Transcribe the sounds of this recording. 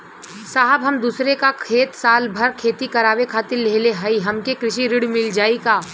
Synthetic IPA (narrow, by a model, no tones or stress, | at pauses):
saːɦəbɦɐmd̪uːsɾekakʰeːt̪saːlbʱɐɾkʰeːt̪ikɐɾaːwekʰaːt̪ɪɾleːleɦɐiɦɐmkekɾɪʃiɾɪɽmɪld͡ʒaːikaː